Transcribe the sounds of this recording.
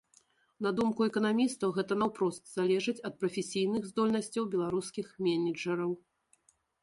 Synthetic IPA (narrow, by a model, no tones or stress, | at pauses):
n̪ɐd̪umkuɛkɐnamʲist̪ɐwɣɛt̪ɐnɐwpɾɔst̪z̥alʲɛʐɨt͡sʲɐt̪̚pɾɐfʲesʲijnɨɣzd̪ɔlʲnɐsʲt͡sʲɐwbʲɛlˠaɾuskʲixmʲɛnʲid͡ʐɐɾɐw